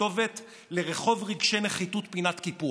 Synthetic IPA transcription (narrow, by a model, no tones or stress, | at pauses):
o̞ve̞t | le̞ʁeχo̞vʁiɡʃe̞jneχitutpinatkipu